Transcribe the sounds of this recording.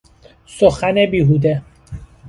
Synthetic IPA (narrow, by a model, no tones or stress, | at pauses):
soxænebiːɦuːd̪e